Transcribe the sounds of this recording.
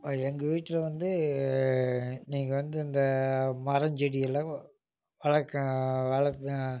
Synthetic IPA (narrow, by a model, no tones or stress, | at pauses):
ɛŋɡɐʋiːʈːɪlɐʋɐnd̪ɯ | niːŋɡɐʋɐnd̪ɯɪnd̪ɐmɐɾɐɲd͡ʒɛɽɪjɐlːɐ | ʋɐɭɐkːɐ̃ʋɐɭɐ